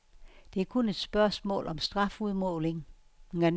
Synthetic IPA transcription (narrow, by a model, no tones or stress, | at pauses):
d̥e̝æɐkʰone̝d̥sb̥ɶɐsmɔ̰̽ːlʔɒ̽msd̥ʁɑ̈fuð̞ˠmɔ̰ːle̝ŋŋæn